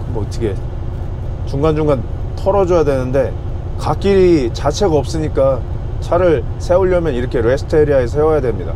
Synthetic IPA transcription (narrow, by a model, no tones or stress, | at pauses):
kɯmʌtʰiɡe | t͡ɕuŋɡand͡ʑuŋɡan | tʰʌɾʌd͡ʑojadwe̞nɯnde̞ | kak͈iɾit͡ɕat͡ɕʰe̞ɡaʌp̚s͈ɯɲik͈a | t͡ɕʰaɾɯɭ | sʰe̞uʎːʌmjʌniɾʌkʰe̞ɾe̞sʰɯ̥tʰeɾiaes̬ʰʌhewʌjadwe̞mɲida̰